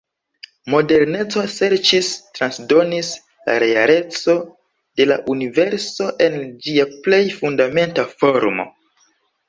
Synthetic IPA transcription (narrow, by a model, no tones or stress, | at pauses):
mo̞de̞ɾne̞t͡so̞se̞ɾt͡ʃistɾansdo̞nis | la̰ɾeaɾe̞t͡so̞ | d̥e̞la̰ʔunive̞ɾso̞ʔe̞nd͡ʒiaple̞jfundame̞ntafo̞ɾmo̞̰